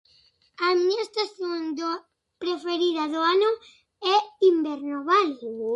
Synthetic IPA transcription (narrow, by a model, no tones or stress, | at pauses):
amiɲaest̪aθjond̪o | pɾefeɾiðaðoanʊ | ɛimbeɾnoβal